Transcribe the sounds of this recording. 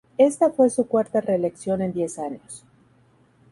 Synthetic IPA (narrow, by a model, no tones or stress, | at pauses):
e̞st̪afwe̞sukwaɾt̪are̞ːle̞ksjo̞ne̞nd̪je̞saɲos